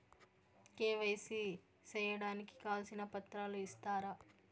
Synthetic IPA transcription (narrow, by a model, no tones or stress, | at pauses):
keːʋɐjsi | t͡ʃɛːjɐɽaːniki̥kaːlsinɐpɐt̪ɾaːluist̪aːɾɐ